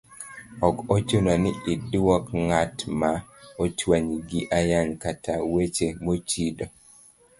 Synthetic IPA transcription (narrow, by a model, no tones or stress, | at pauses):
ɔkot͡ʃonaniʔidwɔkŋatmaot͡ʃwaɲiɡiʔajankatawet͡ʃemot͡ʃidɔ